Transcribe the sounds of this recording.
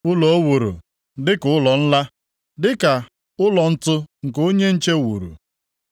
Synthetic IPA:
ʊ˦lɔ˨o˦wu˨ɾṵ˨ | dɪ˦kʊ˨˦ʊ˦lɔ˨n̩˦la˦ | dɪ˦ka˨ | ʊ˦lɔ˨n̩˦tʊ˦ŋ̩˨ko˦ɲe˦n̩˦t͡ʃe˦wṵ˨ɾṵ˨

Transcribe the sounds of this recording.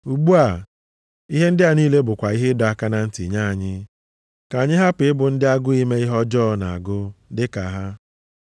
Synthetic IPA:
u˨ɡ͡bu˦a˨ | i˦ɦe˦n̩˦dɪ˦a˨niː˦le˦bʊ˨kʷa˨i˦ɦe˦dɔ˨a˨ka˦na˨n̩˦tḭ˨ɲa˦˨a˨ɲɪ˦ | ka˨ɲɪ˦ɦa˦pɪ˨ɪ˦bʊ˨n̩˦dɪ˦a˦ɡʊ˦i˦me˦i˦ɦɔ˦d͡ʒɔː˦na˨a˨ɡʊ˦dɪ˦ka˨ɦa˦

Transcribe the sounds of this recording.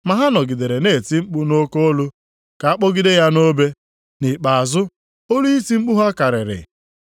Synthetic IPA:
ma˨ɦa˦nɔ˨ɡɪ˨de˨ɾe˨ne˦˨ti˦ŋ͡m̩˦k͡pʊ˦no˦ko˦o˦lʊ˦ | ka˨a˦k͡pɔ˦ɡɪ˦de˦ja˦no˦be˦ | ni˨k͡pa˨a˨zʊ˦ | o˦lu˦i˦ti˦ŋ͡m̩˦k͡pʊ˦ɦa˦ka˨ɾɪ˨ɾɪ̰˨

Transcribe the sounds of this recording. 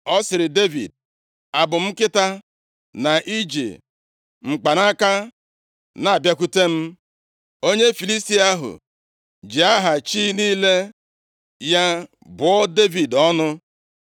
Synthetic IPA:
ɔ˦sɪ˨ɾɪ˨de˦vḭ˨d̚ | a˨bʊ˨m̩˦kɪ˦ta˦ | na˨ʔi˦d͡ʒḭ˨ | ŋ͡m̩˨k͡pa˨na˦ka˦ | na˨a˨bja˦ku˦te˦m̩˦ | o˦ɲe˦fi˨li˦sti˦a˦ɦʊ̰˨ | d͡ʒi˨a˦ɦa˨t͡ʃi˦niː˦le˦ | ja˦ | bʊ˨ɔ˦de˦vi˨dɔ˦nʊ˦

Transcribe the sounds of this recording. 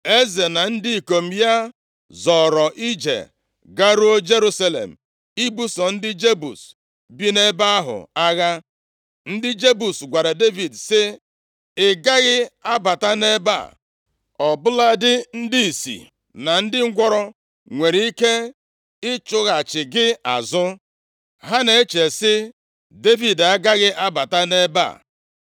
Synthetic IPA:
e˦ze˨na˨n̩˦dɪ˦i˨ko˨m̩˨ja˦ | zɔ˨ɾɔ˨ʔi˦d͡ʒḛ˨ | ɡa˦ɾu˦o˦d͡ʒe˦ɾu˦sa˦lḛ˨m̩˨ | i˦bu˦sɔ˨n̩˦dɪ˦d͡ʒe˦bṵ˨s | bi˦ne˦ba˦ɦʊ̰˨a˦ɣa˦ | n̩˦dɪ˦d͡ʒe˦bu˨sɡʷa˨ɾe˨de˦vi˨dsɪ˦ | ɪ˨ɡa˦ɣɪ˦a˦ba˨ta˦ne˦ba̰˦˨ | ɔ˨bʊ˦la˦dɪ˦n̩˦di˦i˨sḭ˨ | na˨n̩˦dɪ˦ŋ̩˦ɡʷɔ˦ɾɔ˦ | ŋʷe˨ɾi˨˦i˦ke˦ | ɪ˦t͡ʃʊ˦ɣa˨t͡ʃɪ˨ɡɪ˦a̰˨zʊ˦ | ɦa˦ne˨e˦t͡ʃe˨sɪ˦ | de˦vi˨da˦ɡa˦ɣɪ˦ʔa˦ba˨ta˦ne˦ba̰˦˨

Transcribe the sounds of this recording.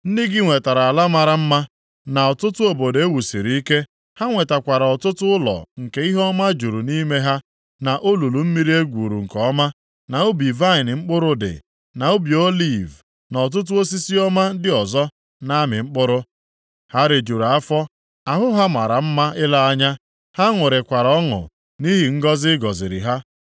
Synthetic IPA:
n̩˦ni˦ɡɪ˦ŋʷe˨ta˨ɾa˨a˨la˦ma˨ɾa˨m̩˦ma˦ | na˨ɔ˨tʊ˦tʊ˦o˨bo˨de˦wu˨si˨ɾi˨i˦ke˦ | ha˦ŋʷe˨ta˨kʷa˨ɾa˨ɔ˨tʊ˦tʊ˦lɔ̰˨ŋ̩˨ke˦i˦ɦɔ˦ma˦d͡ʒu˨ɾu˨ni˦me˦ɦa˦ | na˨ʔo˦lu˨lu˨m̩˦mi˦ɾi˦e˦ɡʷuː˨ɾṵ˨ŋ̩˨kɔ˦ma˦ | na˨o˦bi˨va˦ɪ˨n˨ŋ͡m̩˦k͡pʊ˦ɾʊ˦dɪ̰˨ | na˨o˦bi˨o˦li˦˨v | nɔ˨t̬ʊ˦t̬ʊ˦o˦s̬i˦si˦ɔ˦ma˦dɪ˦ɔ˨zɔ˦ | na˦mɪ˨ŋ͡m̩˦k͡pʊ˦ɾʊ˦ | ha˦ɾe˨d͡ʒu˨ɾa˨a˦fɔ˦ | a˨ɦʊ˦ɦa˦ma˨ɾa˨m̩˦ma˦ɪ˦la˦a˦ɲa˦ | ha˦ŋʷʊ˨ɾɪ˨kʷa˨ɾɔ˦ŋʊ̰˨ | ni˦ɦi˨ŋ̩˦ɡɔ˦zɪ˦ɡɔ˨zɪ̰˨ɾɪ̰˨ɦa˦

